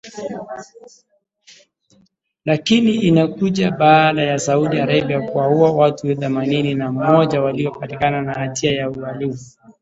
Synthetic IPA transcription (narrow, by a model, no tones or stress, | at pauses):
lakiniinakuʄaɓaːɗajasauɗiaɾaɓiakuwauawatuθɛmanininam̩mɔʄawaliɔpatikananaatiajaualifu